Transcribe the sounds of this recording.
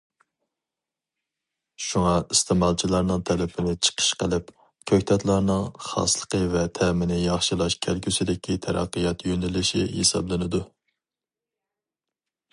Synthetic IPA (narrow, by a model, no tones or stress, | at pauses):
ʃuŋɑist̪ʰɪmɑlˠt͡ʃʰilˠɑɾnɨŋt̪ʰɛlɪpʰɪnɪt͡ʃʰə̥qʰə̥ʃqəlˠɪp | kʲʰøkʲt̪ʰɛt̪lˠɑɾnɨŋχɑ̰slˠəqəvɛt̪ʰɛmɪnɪjɑχʃilˠɑʃkʲʰælkʲʰysɪd̪ɪkʲʰit̪ʰɛɾɑ̰qːəjɑt̪jønɪlɪʃihḛsɑ̰blˠɨnɨd̪u